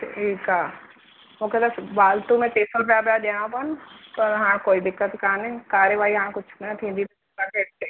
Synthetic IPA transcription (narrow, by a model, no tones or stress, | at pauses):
ʈʰiːka | mũːkʰet̪ɐsbaːlt̪ũmẽʈeːsəlpɪjapjaɗeãpɐnpɐɾɦãːkoːid̪ɪkːət̪kaːnẽkaːɾjəʋaːiɦãːɽ̃kʊt͡ʃʰnɐt̪ʰĩːn̆d̪id̪ɪ | takeːʈ̚e